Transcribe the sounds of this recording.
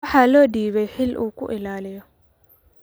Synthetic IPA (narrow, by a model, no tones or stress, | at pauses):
ħalɔdiːβɛhɪlʔṵkṵʔɪlaːlɪjɔ